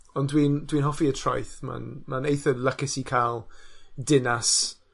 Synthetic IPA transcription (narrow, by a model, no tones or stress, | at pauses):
ɔndwiːndwiːnɦɔfiətʰrɔjθma̰nmanejθəlˠəkɪsikʰalˠdɪnas